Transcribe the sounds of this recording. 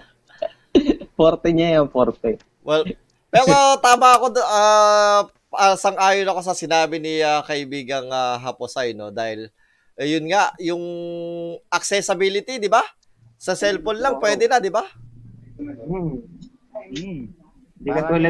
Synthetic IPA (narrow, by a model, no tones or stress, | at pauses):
poɾt̪ɛɲaɐŋpoɾt̪ɛ | wɛl | pɛːɾo̞t̪aːmɐɐko̞a | asɐŋʔaːjonɐko̞s̬ɐsɪnaːbɪniakɐʔɪbiːɡɐŋaɦɐposajno̞d̪aːhɪl | ʔjʊnŋaʔjʊŋ | ʔɐk̚sɛsɐbiːlɪt̪id̪ɪba | sɐsɛlpolnlɐŋpwɛːd̪ɛnɐd̪ɪba | d̪ikɐt̪ɛlɐ